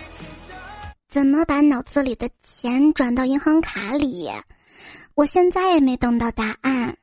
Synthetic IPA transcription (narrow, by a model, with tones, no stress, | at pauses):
t͡sə˨˩nmə˦pa˧˥nɑ˨˩ʊt͡sɹ̩˥˩li˨˩d̪ə˦t͡ɕʰjɛ˧˥nʈ͡ʂwa˨˩nt̪ɑ˥˧ʊi˥ŋxɑ˥ŋkʰa˧˥li˨˩˦ | wɔ˨˩ɕjɛ˥˧nt͡sa˥˩ɪjɛ˨˩me˧˥ɪt̪ʊ˥˩ŋt̪ɑ˥˧ʊt̪a˥˧a˥˩n